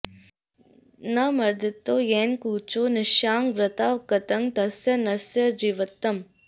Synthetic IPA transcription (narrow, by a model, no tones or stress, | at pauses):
nɐmɐɾd̪ɪt̪ːoːjeːnkuːt͡ʃoːnɪʃjaːŋʋɾɪt̪aːʋkɐt̪ɐŋt̪ɐsjɐnɐsjɐd͡ʒiʋɐt̪ːɐm